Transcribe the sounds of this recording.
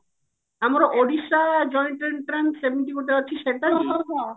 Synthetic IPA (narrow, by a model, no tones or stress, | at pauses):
amɾoʔoɖiʃad͡ʑɔjɳʈenʈɾensemiʈikoʈt̪epat͡ɕːt͡ɕʰːiʃeʈa